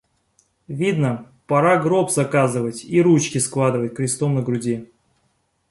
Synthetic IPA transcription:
vʲid̪nə | pɐɾaɡɾopzɐkazɨvətʲiɾut͡ɕkʲɪsklˠad̪ɨvətʲkɾʲɪst̪omnəɡɾʊdʲi

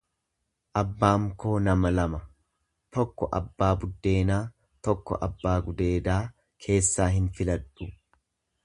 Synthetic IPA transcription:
ʔɐbːaːŋko̞ːnɐmɐlɐmɐ | t̪ɔkːɔʔɐ̰bːaːbʊd̪ːe̞ːnaː | t̪ɔkːɔ̰ʔɐbːaːɡʊd̪e̞ːd̪aː | kʰe̞ːsːaːɦɪnfɪlɐᶑʊ

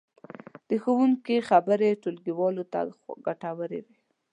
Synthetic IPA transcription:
d̪̥əxəwuŋkixabəɾeʈolɡiwɑlot̪a̰ɡaʈawəɾḛwe

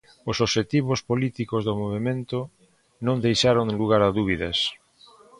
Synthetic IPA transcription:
osoʃet̪iβospolit̪ikozðomoβemẽnt̪ʊ | nõŋd̪ejʃaɾoŋluɣaɾaðuβ̞iðɐ̰s

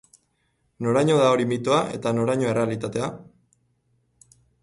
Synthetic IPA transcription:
no̞ɾaɲo̞ðao̞ɾimit̪oaʔe̞̰t̪ano̞ɾaɲo̞ere̞alit̪at̪e̞a

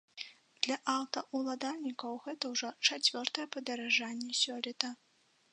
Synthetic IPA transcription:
d̪̥lʲɐʔawt̪ɐʔulˠad̪alʲnʲikɐwɣɛt̪ɐwʐɔt͡ʂat͡sʲvʲɔrt̪ɐjɛpɐd̪ɐɾaʐanʲːɛsʲɔlʲɛt̪ɐ

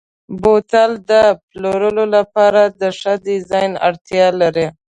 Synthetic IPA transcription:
bot̪ald̪əploɾəlolapɑɾad̪əʂad̪ɪzɑjna̰ɽt̪jɑlaɾe

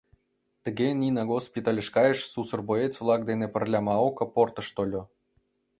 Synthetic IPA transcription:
t̪ə̆ɡenʲinɑɣospʲit̪alʲeʃkɑjeʃsusɤ̆rboet͡sʲvlˠɑk̚d̪enepə̆rlʲɑmɑokɤ̆port̪ɤ̆ʃt̪olʲŏ

